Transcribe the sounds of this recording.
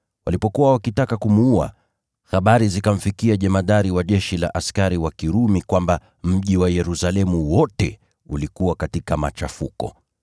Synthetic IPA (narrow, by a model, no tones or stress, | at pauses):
wa̰lipɔkuwawakitakakumuua̰ | xaɓaɾizikam̩fikiaʄɛmaðaɾiwaʄɛʃila̰ʔaskaɾiwakiɾumikwamba | m̩ʄiwajɛɾusalɛmuwɔtɛ | ulikuwakatikama̰t͡ʃafukɔ̰